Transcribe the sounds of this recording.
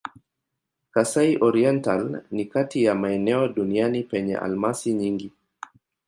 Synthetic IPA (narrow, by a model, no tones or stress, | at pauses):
kasaiʔɔɾiɛntalnikatijamaɛnɛɔɗunianipɛɲɛ̰ʔa̰lmasiɲiŋɡi